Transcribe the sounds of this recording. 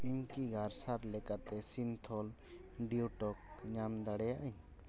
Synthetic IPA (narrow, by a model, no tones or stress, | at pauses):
iɲkiɡʱaɾsaɾlɛkat̪ɛsint̪ʰɔl | ɖiuʈɔk̚ɲamd̪aɽɛjaʔəɲ